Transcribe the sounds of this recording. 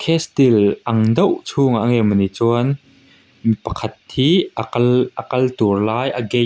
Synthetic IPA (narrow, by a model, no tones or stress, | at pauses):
kʰɛst̪ilʔɐŋd̪ɐwʔt͡sʰuːŋaʔŋɛmɐnit͡suɐn | mipɐkʰɐt̪̚hiːlʔəkɐlt̪urlaːjʔɐɡɛ